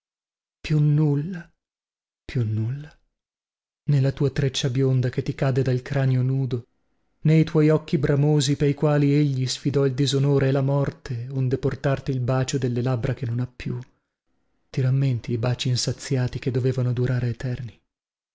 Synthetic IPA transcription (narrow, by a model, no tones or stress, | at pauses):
pjunːulːa | pjunːulːa | nelːat̪uːat̪ɾet͡ʃːabjond̪aket̪ːikaːd̪ed̪alkɾanjonuːd̪o | nejt̪wɔjɔkːibɾamoːzipeɾikwaːlieʎːisfid̪ɔild̪izonoːɾeːlamɔrt̪ʰeond̪eport̪art̪iːlbaːt͡ʃod̪elːelabɾakenːonapːju | t̪iɾamːent̪iːbaːt͡ʃiːnsat̪sːjaːt̪iked̪ːoveːvanod̪uɾaːɾeet̪ɛrni